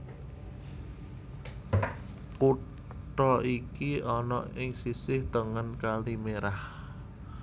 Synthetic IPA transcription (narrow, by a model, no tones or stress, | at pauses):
pu | ʈɾɔikiɔnɔɪŋsisɪht̪əŋənkalimeɾah